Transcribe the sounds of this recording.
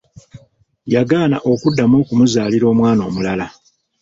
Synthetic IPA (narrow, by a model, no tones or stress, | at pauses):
jaɡaːnaʔo̞kudːamoːkumuzaːliɾo̞ːmwaːno̞̰ːmulala